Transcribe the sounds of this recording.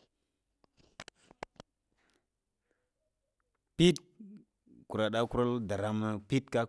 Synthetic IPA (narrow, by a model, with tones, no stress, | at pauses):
pi˦t̚ | ku˨ɾa˨ɗa˦ku˦ɾa˦lda˨ɾa˦mə˦pi˦tka˦